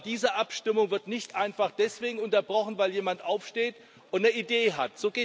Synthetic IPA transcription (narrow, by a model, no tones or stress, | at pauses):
d̥iːzəʔapʃtɪmʊŋvɪɐtnɪçtʔaɪnfaχd̥ɛsv̥eːɡŋ̩ʊntɐbʁɔχn̩vaɪljeːmantʔaʊfʃteːt | ʔʊntnəideːɦatz̥oːɡeː